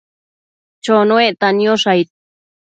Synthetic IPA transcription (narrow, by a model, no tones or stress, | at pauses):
t͡ʃonoeʔt̪anjoʂajt̪̚